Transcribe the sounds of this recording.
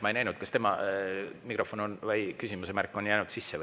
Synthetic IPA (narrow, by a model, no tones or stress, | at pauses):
mɑejnæjnud̪̥kɑst̪e̞mɑ | mikro̞fo̞nonvɑjkysimusemærkːˑo̞njæjnud̪̥sisːe